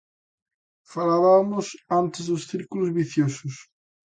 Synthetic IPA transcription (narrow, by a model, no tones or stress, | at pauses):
falaβamʊsant̪ezðʊsθiɾkulozβiθjosʊs